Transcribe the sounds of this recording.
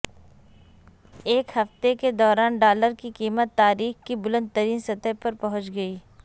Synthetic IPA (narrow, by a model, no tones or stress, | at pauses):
eːkhɐft̪eked̪ɔːɾaːnɖaːləɾkikiːmət̪ːaːɾiːxkibʊlə̃nd̪̚t̪ːəɾiːnsɐt̪əpɐɾpɐɦʊ̃t͡ʃɡɐiː